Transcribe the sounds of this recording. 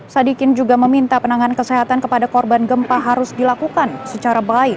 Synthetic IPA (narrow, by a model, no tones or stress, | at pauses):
sadikɪnd͡ʒuɡaməmint̪apənaŋankəsɛɦat̪ankəpadakɔrbanɡəmpaɦaɾʊsdilakukansət͡ʃaɾabaɪk